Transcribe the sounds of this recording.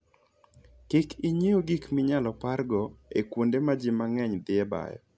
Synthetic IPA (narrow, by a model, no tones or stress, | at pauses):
kikʰiɲeoɡikmɪɲalɔparɡɔekwondemad͡ʒɪmaŋɛɲd̪ɪɛba̰jɔ̰